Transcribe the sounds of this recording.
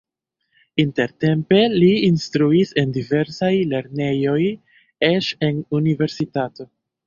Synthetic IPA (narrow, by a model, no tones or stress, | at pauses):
inte̞ɾte̞mpe̞liːnstɾuise̞ndive̞ɾsajle̞ɾne̞jo̞j | eʃe̞nunive̞ɾsitato̞